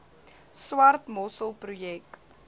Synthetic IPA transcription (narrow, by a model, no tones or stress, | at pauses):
swɐrtmɔsəlˠprujɛk